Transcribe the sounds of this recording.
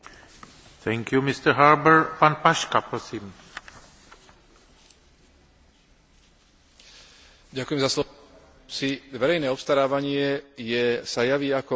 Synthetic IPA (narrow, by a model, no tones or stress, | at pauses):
t̪ʰɛŋkjumist̪əɾɦaɾbəɾpanpaʃkapɾɔsiːm | ɟakujɛmzaslɔ | siʋɛɾɛjnɛːɔpst̪aɾaːʋaɲɪɛjɛsajaʋiːakɔ